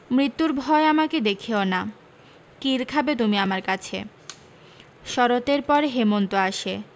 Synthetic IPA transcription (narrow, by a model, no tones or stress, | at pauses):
mɾit̪ːuɾbʱɔeamaked̪ekʰiona | kiɾkʰabet̪umiamaɾkat͡ɕʰḛ | ʃɔɾot̪eɾpɔɾeɦemont̪oaʃe